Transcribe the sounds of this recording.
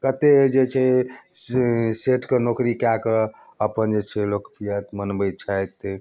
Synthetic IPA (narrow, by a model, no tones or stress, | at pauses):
kət̪ed͡ʒet͡ʃʰe | seʈʰkenokɾikake | əpənd͡ʒet͡ʃʰelokpijət̪mənbəjt͡ʃʰajt̪ː